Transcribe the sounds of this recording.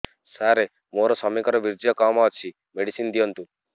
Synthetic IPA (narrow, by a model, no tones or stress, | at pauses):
saɾe | moɾɔsɔmikɔɾɔbiɾd͡ʒijɔkɔmɔːt͡ʃʰi | meɽisind̪ijɔnt̪u